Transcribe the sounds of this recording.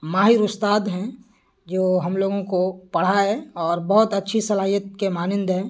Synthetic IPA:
maːɦɪɾʊst̪aːd̪ɦɛ̃ | d͡ʒoːɦɐmloːɡõkopɐɽ̤aɦɛɔːɾbɔɦʊt̪ɐtːʃʰisɐlaːɦijət̪̚kemaːnɪ̃nd̪ɦɛː

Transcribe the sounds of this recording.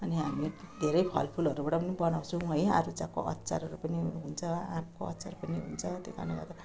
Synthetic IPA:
ʌniɦamid̪ʱeɾʌjpʰʌ̰lpʰulʌɾubaʈapʌnibʌnaw̃t͡sʰũʌjaɾud͡zako̰ʔʌ̰t̪ːt͡sa̰ɾʌɾupʌniɦunt͡sʰʌamkoʌ̰t̪ːt͡saɾupʌniɦṵnt͡sʰʌt̪ekʰa̰naɡa̰t̪ʌ

